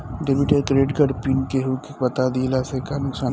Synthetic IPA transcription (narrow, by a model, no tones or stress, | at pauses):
ɖebiʈekɾeːɖɡɐɖpinkeɦukepɐt̪ad̪iːlasekanʊksaː